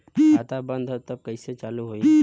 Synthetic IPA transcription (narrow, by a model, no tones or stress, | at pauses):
aːt̪abə̃nd̪ʱɦt̪əb̚kəiset͡ʃaːluɦoːi